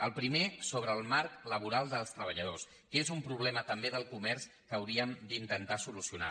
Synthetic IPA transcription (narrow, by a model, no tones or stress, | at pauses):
əlˠpɾimesoβ̞ɾəːlˠmaɾkləβuɾalˠd̪əlˠst̪ɾəβəʎəðos | kezumpɾuβlɛmət̪əmbeðəlˠkumɛɾs | kəwɾiəmd̪int̪ənt̪asulusiuna̰